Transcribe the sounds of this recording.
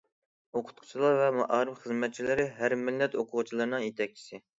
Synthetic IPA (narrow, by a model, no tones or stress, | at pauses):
oqʰʊ̥t̪̚qʰʊ̥t͡ʃʰilˠɑɾvɛmɑʔɑːɾɨpχəzmɛt̪̚t͡ʃʰilɪɾɪɦæɾmɪlːɛt̪oqʰʊʁʊt͡ʃʰilˠɨɾɨnɨŋjet̪ʰɛk̚ʲt͡ʃʰi̥sɪ